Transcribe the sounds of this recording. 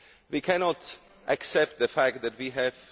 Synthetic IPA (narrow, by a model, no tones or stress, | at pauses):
wikʰænɔt | ʔaksɛp̚t̪̚ðɨfæk̚t̚ðɨt̚wiɦæv̥